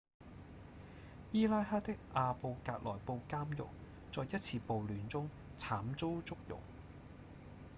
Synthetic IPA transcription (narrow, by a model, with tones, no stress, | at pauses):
jiː˥laː˥jhaː˥t̪ɪ˥k̚ʔaː˨˧po˧wkaː˧k̚lɔː˨˩jpo˧wkaː˥mjʊ̰˨k̚ | t͡sɔː˨jɐ˥t̚t͡sʰiː˧po˨˧wlyː˨˩nt͡sʊ˥ŋ | t͡sʰaː˨˥mt͡so˥wt͡sʊ˥k̚jʊ̰˨˩ŋ